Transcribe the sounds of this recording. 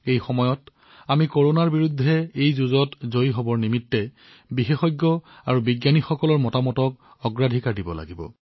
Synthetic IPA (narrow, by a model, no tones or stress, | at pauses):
ejxɔmɔjɔt | amikoɹonaɹbiɹudʱːɛejzuzɔtzojɦobɔɹnimitːɛ | bixexɔjɡːɔaɹubiɡjanixɔkɔlɔɹmɔtamɔtɔk | ɔɡɹadʱikaɹdibɔ̰la̰ɡibɔ̰